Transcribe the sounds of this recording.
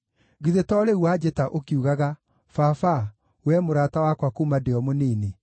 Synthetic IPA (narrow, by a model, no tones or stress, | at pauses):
ɣiðetɔɾeuwad͡ʒetaʔokiuɣaɣa | fafa | wɛmoɾatawakwakumadeɔmoniːne